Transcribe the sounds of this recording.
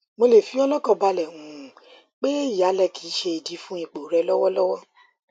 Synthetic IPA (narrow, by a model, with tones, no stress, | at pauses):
mo˧le˨fĩ˨˦ɔ˧lɔ˦kɔ̃˧˨ba˧lɛ˨ŋũ˨ | k͡pe˦i˦˨ja˨˦lɛ˧˨kʰi˨˦ʃe˧i˨di˨˦fũ˦i˧˨k͡po˨ɾɛ˧lɔ˦wɔ˦lɔ˦wɔ˦